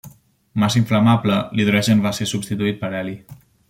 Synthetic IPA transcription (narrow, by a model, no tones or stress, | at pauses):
masiɱflamapləliðuɾɛʒenβasesubst̪it̪uit̪̚pəɾɛli